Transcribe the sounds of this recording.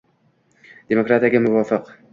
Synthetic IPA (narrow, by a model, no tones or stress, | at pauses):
d̪̥emokɾat̪aɡʲamʊwɒfɨq